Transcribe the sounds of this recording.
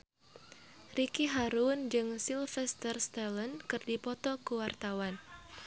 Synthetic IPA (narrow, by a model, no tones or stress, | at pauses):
rikiɦaɾund͡ʒɨŋsilfɛst̪ərst̪ɛlənkɨrdipɔt̪ɔkuwart̪awan